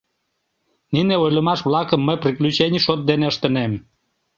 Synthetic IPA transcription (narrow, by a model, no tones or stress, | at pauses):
nineojləmɑʃβlɑkəmːəjpriklʲyt͡ɕenʲiʃot̪̚d̪eneəʃt̪ə̆nem